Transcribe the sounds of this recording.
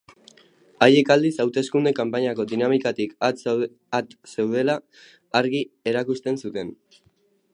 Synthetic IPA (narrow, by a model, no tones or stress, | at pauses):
aje̞kald̪isawt̪e̞skund̪e̞kampaɲako̞d̪inamikat̪ika | at̪sewð̞e̞laː | ɾɣie̞ɾakust̪e̞nsut̪e̞n